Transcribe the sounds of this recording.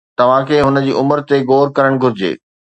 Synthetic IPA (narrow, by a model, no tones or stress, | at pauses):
t̪ɐʋ̤ãkʰeːɦʊnə̆d͡ʑiːʔʊməɾt̪eɡoːɾkɐɾəɽ̃ɡʱʊɾɪd͡ʑḛː